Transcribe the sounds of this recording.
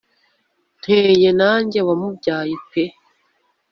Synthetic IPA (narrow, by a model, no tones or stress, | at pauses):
n̥heːjenaːɲɟewamubɟaːjipe